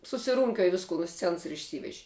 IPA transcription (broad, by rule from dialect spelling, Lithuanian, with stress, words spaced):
sʊsʲɪˈruːŋʲkʲuɔj ˈʋʲɪskʊ nʊ ˈsʲt͡sʲɛns ɪr ɪʃʲˈsʲiːʋʲɛʒʲɪ